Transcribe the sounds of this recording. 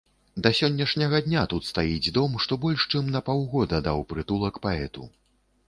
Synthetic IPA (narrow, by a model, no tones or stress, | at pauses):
d̪ɐsʲɔnʲːɐʂnʲɐɣɐd̪ʲnʲat̪ut̪st̪ajid͡zʲd̪ɔmʂt̪ɔbɔlʲʂt͡ʂɨmnɐpawɣɔd̪ɐd̪awpɾɨt̪ulˠɐkpaɛt̪ṵ